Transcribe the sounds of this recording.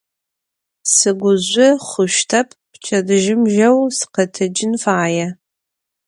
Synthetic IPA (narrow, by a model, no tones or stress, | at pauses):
sɨɡʷʊzʷʊχʷʊʃtʰɐpʰpt͡ʃʰɐdɨʒɪmʒɐwsɨ̥qɐtʰɐd͡ʒɪnfaːjɛ